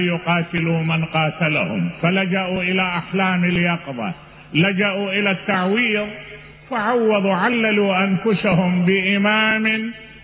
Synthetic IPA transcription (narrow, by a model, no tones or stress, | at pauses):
jʊqɑːt̪ɪluːmanqɑːt̪alahʊ̰mfalad͡ʒaʔuʔɪlaʔaħlaːmɪljɑqðˤɑ̰ | lad͡ʒaʔuʔɪlat̪ːaʕwiːðˤ | faʕawːɑðˤuʕalːaluːʔanfʊsahʊmbɪʔɪmaːmɪn